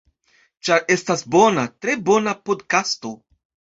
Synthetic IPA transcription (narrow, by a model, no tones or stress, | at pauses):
t͡ʃaɾe̞stasbo̞natɾe̞bo̞napo̞dkasto̞